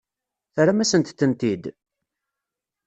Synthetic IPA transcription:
θɾamæsənt̪ːənt̪id̪

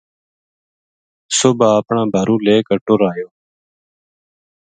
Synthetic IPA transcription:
sʊbʱaːəpɳãːbʱəɾũːleːkəʈoːɾaːjoː

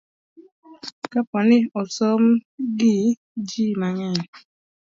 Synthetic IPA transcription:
kapɔnɪɔsomɡɪ | d͡ʒimaŋɛn

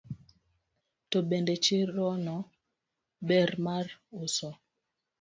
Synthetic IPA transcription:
toɓɛndɛt͡ʃeɾɔnɔ | bɛɾmaɾosɔ

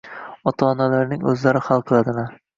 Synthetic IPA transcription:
ɒt̪ʰaːnalaɾnɪŋɵzlaɾɪhalˠqʰɨlˠad̪ɪman

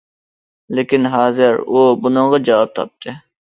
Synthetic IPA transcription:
lekʲinɦɑːzɪɾubʊnɨŋʁɑd͡ʒɑwɑp̚t̪ʰɑ̰p̚t̪ɪ

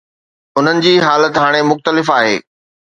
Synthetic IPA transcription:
ʊn̤ənɪ̆d͡ʑiːɦaːlət̪ɦaːɽ̃emʊxt̪əlɪfaːɦḛː

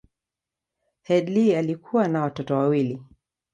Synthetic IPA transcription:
hɛdlialikʰuwanawatɔtɔwawili

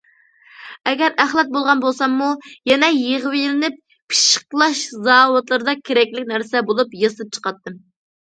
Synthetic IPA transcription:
ɛɡʲɛɾæχlˠɛt̪̚bolˠʁɑnbolˠsɑmːujɛnɛjeʁwijlɪnɪp̚ːʰ | ɨ̥ʃə̥qlˠɑʃzɑːwʊt̪lˠɨɾɨd̪ɑkʲʰeɾɛkʲlɪkʲnæɾsɛbolˠupjɑsɨp̚t͡ʃʰə̥qɑt̪ːɨm

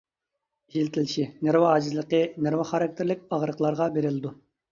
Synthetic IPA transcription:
iʃilt̪ʰɪlʃineɾwɑɑːd͡ʒɪzlˠəqəneɾwɑχɑɾɑk̚ʲt̪ʰɪɾlɪk̚ʲɑʁɾəqʰlˠɑɾʁɑbeɾɪlˠɪd̪u

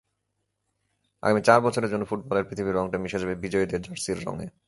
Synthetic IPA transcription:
a̰ɡamit͡ɕaɾbɔt͡ɕʰoɾeɾd͡ʑonːofuʈ̚bɔleɾpɾit̪ʰibiɾɔŋʈamiʃed͡ʑabebid͡ʑɔjid̪eɾd͡ʑaɾsiɾːɔ̰ŋḛ

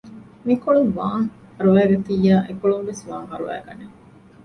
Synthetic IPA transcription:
mikoɭuŋʋaːŋ | hɐɾuʋæːɡet̪ijaːʔekoɭuʋʋesʋaːŋɦɐɾṵʋæ̰ːɡɐ̰ne

